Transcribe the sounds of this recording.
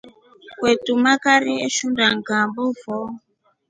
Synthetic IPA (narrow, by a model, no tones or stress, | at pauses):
kwetumakaɾieʃundaŋɡambɔvɔ